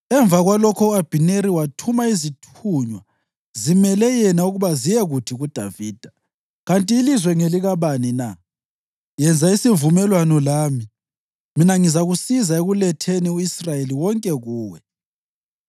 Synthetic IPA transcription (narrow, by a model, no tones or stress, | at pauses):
ɛɱb̪vʱaɣwalɔkʰɔuab̥ʱineɾiwatʰumaizitʰuɲwa | zimɛlɛjɛnauɣuβazijɛɣutʰiɣud̥ʱaviːd̥ʱa | ɣantʼiːlizwɛŋeliɣaβanina | jɛnd͡zʱaisivumɛlwanɔlaːmi | minaŋizaɣusizaeɣulɛtʰeniuisrajeliwɔŋkʼɛɣuːwɛ